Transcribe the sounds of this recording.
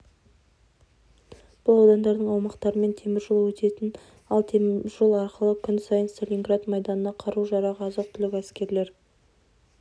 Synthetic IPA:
b̥ʊlˠɑwd̪ɑnd̪ɑɾd̪əɴɑwmɑqt̪ɑɾəme̞nt̪ʰe̞mɪɾʒolˠəwɵt̪e̞t̪ɪn | ɑlˠt̪ʰeʒolˠɑɾqəlˠəkʲʰʏnsɑjənst̪olʲiŋɡɾat̪mɑjd̪ɑnənɑqʰɑɾuʒɑɾɑʁɑzəq̚t̪ʰʏlɪkʲæskʲe̞ɾle̞ɾ

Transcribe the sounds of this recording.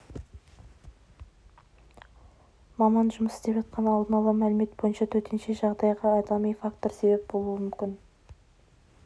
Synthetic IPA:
mɑmɑnʒʊməsɪzd̪epʒɑt̪̚qɑnɑlˠd̪ənɑlˠəmælɪme̞t̪̚bo̞jənʃɑt̪ʰɵɾt̪ʰe̞nʃe̞ʒɑʁd̪ɑjʁɑːd̪ɑmijfakt̪o̞ɾse̞be̞p̚bo̞lˠuwəmʏmkʲɪn

